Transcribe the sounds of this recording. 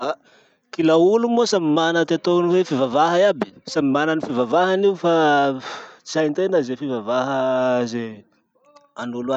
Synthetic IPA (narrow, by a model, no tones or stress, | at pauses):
a | kilaulumosamimanət̪at̪oniwefivavaɦəiabi̥samimanənifivavaɦaniufa | t͡sajnt̪enəzefivavaɦəze | anulua